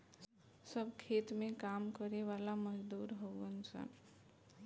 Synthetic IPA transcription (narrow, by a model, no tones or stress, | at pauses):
səbkʰeːt̪mẽkaːmkəɾeʋaːlaməd͡ʒd̪uːɾɦoɡənsə̰n